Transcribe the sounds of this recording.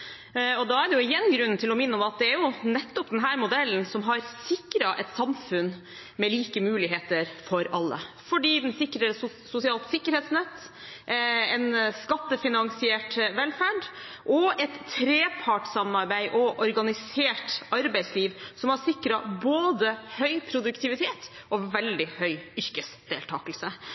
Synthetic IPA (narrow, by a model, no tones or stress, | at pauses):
ɔd̪ɑæɖɛjʊɪjɛnːɡɾʉnːnt̪ʰɪlɔmɪnːəɔmɑt̪̚d̪ɛæɾjʊnɛt̪ːɔpd̪ɛnɦæːɾmʊd̪ɛlənsɔmɦɑɾsɪkɾɑʔɛt̪sɑmfʉn | mɛliːkəmʉːlɪɦeːt̪əɾfɔɾɑlːə̰ | fɔɖiːd̪ɛnsɪkːɾəɾ | sʊsɪɑːlˠt̪sɪkːəɾheːt̪snɛt̪ː | ɛnskɑt̪ːəfɪnɑŋsɪɛːʈʋɛlfæːɖ | ʔɔɛt̪ʰːɾeːpʰɑʈsɑmɑɾbæɪʔɔʔɔɾɡɑnɪseːʈɑɾbæɪsliːʋsɔmhɑsɪkɾɑboːd̪əhœʏpʰɾʊd̪ʉkt̪ʰɪʋɪt̪ʰeːt̪ | ɔʋɛld̪ɪhœʏʏɾkəsd̪̥eːlt̪ʰɑːkəlsə